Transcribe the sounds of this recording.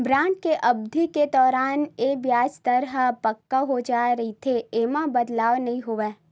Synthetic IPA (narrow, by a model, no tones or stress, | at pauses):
bɾãːʈ̚keʔɐb̚d̪ʱiked̪ɔːɾaːnebjaːd͡ʒt̪əɾɦəpəkːaɦod͡ʒaːɾɐɦit̪ʰeeːmãbəd̪laːʋnɐɦĩɦoʋɛː